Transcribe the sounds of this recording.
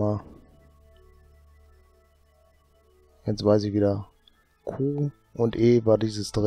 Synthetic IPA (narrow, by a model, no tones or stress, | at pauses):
a | jɛt͡stv̥aɪs̬ɪçviːdɛ | kʰuː | ʔʊntʔeːvaːdiːzəsd̥ʁ